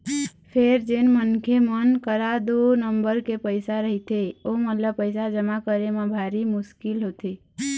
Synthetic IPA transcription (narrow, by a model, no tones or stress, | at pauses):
pʰeɾd͡ʒenmənkʰemənkəɾad̪onəmbəɾkepəɪsaɾəɦit̪eomət̪ləbpəɪsad͡ʒəmakəɾemabʱaɾimuskilɦot̪i